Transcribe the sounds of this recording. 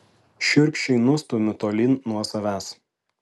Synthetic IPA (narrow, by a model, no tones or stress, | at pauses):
ʃʲʊɾʲkʲʃʲɛɪnʊst̪ɔmʲɪt̪oːlʲɪnːuɔsɐʋʲæːs